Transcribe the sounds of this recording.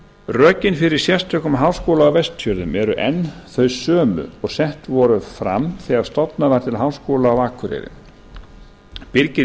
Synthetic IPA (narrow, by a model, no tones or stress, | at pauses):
rœːcɪnfɪɾɪɾ̥sjɛrst̪ʰœhkʏmɦaːwskowlaawvɛst̪ːjœɾðʏmɛɾʏʔɛnːθœɥsœːmʏ̰ɔɣsɛht̪vɔɾʏfɾa̰mθiaðst̪ɔt̪naðaɾ̥t̪ʰɪlɦaːwskowlaːwaːkʰʏɾɪ̰ɾɪ̰ | pɪɾcɪ